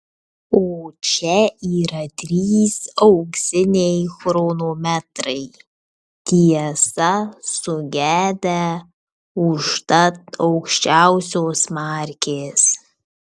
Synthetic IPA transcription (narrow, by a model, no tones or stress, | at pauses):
oːt͡ʃʲɛiːɾɐt̪ʲɾʲiːsɐʊksʲɪnʲejxɾonoːmʲæt̪ɾɐɪ | t̪ʲʰiɛsɐsʊɡʲæːd̪ɛ | ʊʃt̪ɐt̪ɐʊkʃʲt͡ʃʲæʊsʲoːsmaːɾʲkʲʰeːs